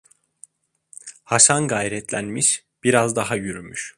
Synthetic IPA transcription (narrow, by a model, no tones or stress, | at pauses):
haʃanɡajɾɛt̪ʰlʲænmiʃ | b̥iɾazd̪aɦajyɾymyʃ